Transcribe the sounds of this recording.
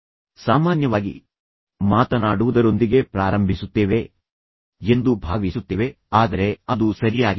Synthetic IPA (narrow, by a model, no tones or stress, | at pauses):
saːmaːnjɐʋaːɡḭ | maːt̪ɐnaːɽuʋud̪ɐɾo̞nd̪iɡe̞pɾaːɾɐmbʱisut̪ːeːʋe̞ | e̞nd̪ubʱaːʋisut̪ːeːʋe̞ | aːd̪ɐɾe̞ɐd̪usɐɾijaːɡi